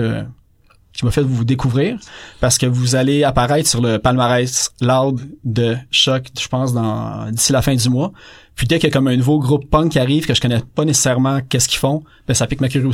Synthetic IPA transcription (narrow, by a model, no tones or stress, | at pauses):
kʲimafɛt̪vud̪ekuvʁiːʁpaʁsə̥kəvuzaleapaʁɛɪt̪χsyʁləpalmaʁɛɪslad̪d̪əʃɔkʒ̥ə̥pɑ̃ːs̬d̪ɑ̃d̪isilafɛ̃d̪ymwapɥid̪ɛkjɐkɔmɛ̃nuvoɡʁʊpːɑ̃ŋkʲːiaʁiːv̥kəʒəkɔnɛpʌnese̥sɛʁmɑ̃kʲɛskʲi̥fɔ̃ | b̥ɛ̃sapɪkmak̬ʲyʁjo